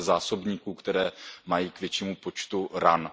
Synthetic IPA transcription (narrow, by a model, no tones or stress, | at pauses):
zaːso̞bɲiːkuːkt̪ɛɾɛːmajiːkvjɛt͡ʃiːmupo̞t͡ʃt̪uɾan